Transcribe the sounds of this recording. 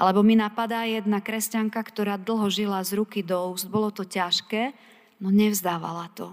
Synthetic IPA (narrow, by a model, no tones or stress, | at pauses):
ʔalɛbɔminapad̪aːjɛd̪nakɾɛscaŋkakt̪ɔɾaːd̪l̩ˠɦɔʒilazɾukid̪ɔuːzd̪̚bɔlɔt̪ɔcaʃkɛː | nɔɲɛvzd̪aːʋa̰lat̪ɔ